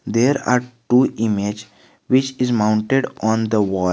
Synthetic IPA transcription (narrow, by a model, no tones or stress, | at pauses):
d̪eːɾa̰ːɾʈuːʔɪmed͡ʒ | ʋɪt͡ʃɪzmãʊ̃ɳʈeɖɔ̃ːnd̪əʋɔː